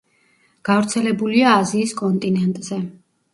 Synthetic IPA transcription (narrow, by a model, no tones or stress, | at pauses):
ɡ̥avɾt̪sʰɛlɛbuliaːziːskʼɔnt̪ʼinɛnt̪ʼz̥ɛ